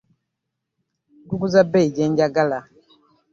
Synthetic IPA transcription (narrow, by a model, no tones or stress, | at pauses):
ɡuɡuzabɛid͡ʒɛnd͡ʒaɡala